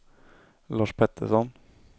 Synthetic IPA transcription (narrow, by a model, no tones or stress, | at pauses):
lɑːʂpʰɛt̪ʰːəʂɔn